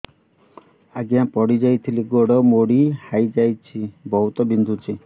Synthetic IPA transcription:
aɡiãpɔɽid͡ʒajt̪ʰiliɡoɽɔmoɽihajd͡ʒajt͡ʃʰibɔɦut̪ɔbind̪ʱut͡ʃʰi

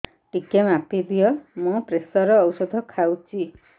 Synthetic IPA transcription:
ʈikemapid̪ʱijɔmũpɾesɔɾɔːwsɔd̪ʱɔkʰawt͡ʃʰi

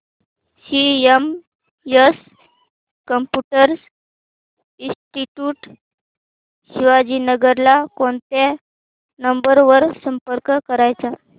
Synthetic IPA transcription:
siem | jəs | kəmpjuʈəɾs | ĩsʈiʈjuːʈ | ɕiʋad͡ʑinəɡəɾlakoɳt̪e | nəmbəɾʋəɾsəmpəɾkkəɾajt͡sa

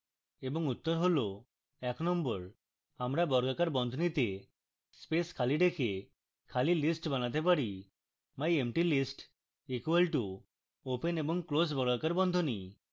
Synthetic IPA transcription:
ebɔŋut̪ːɔɾɦolo | ɛknɔmbɔɾ | amɾabɔɾɡakaɾbɔnd̪ʱonit̪e | speskʰaliɖekʰe | kʰalilisʈbanat̪̬epaɾi | majemʈilisʈ | ikuelʈu | openebɔŋklos̬bɔɾɡakaɾbɔnd̪ʱoni

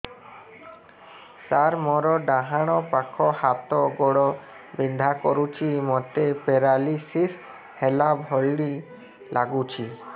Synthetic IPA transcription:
saɾmɔɾɔɖaɦaɽ̃ɔpakʰɔhat̪ɔɡɔɽɔ | bind̪ʱakɔɾut͡ʃʰimɔt̪epeɾalisis | helabʱɔlɖi | lʔaɡut͡ʃʰi

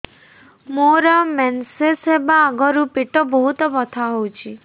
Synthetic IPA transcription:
moɾɔmɛnsesebaːɡɔɾupeʈɔbɔɦut̪ɔbɔt̪ʰaɦowt͡ʃʰi

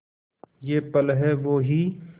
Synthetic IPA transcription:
jeːpəlɦɛːʋoːɦiː

